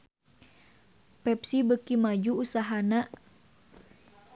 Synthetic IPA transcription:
pɛp̚sibəkimad͡ʒuusaɦanaʔ

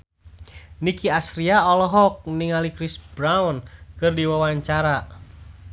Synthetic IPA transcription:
nikiasɾiaɔlɔɦɔk̚niŋalikɾisbɾawnkɨrdiwawaɲt͡ʃaɾa

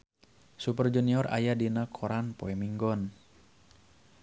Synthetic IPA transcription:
sup̬ərd͡ʒuniɔra̰jadinakʰɔɾanpoɛmiŋɡɔn

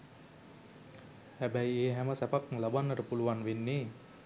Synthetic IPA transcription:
hæbæjeːɦæməsæpaklabanːəɾəpuluanʋenːe

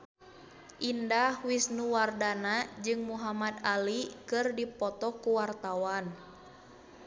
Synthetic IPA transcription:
ʔindahwisnuwardanad͡ʒɨŋmuɦamad̪alikɨrdipɔt̪ɔkuwart̪awan

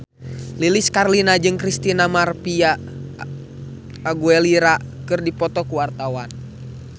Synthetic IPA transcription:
liliskarlinad͡ʒɨŋkɾist̪inamarpia | ɡuɛliɾakɨrdipɔt̪ɔkuwart̪awan

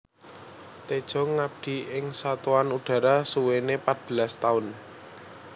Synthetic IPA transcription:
t̪ed̥ʒ̥ɔ̤ŋːab̚d̪̥i̤ʔɪŋsat̪oanuɖ̥a̤ɾasuwenepat̪̚b̥ə̤last̪aʊn

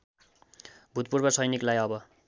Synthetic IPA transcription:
bʱut̪̚purbʌsʌjniklajʌbʌ

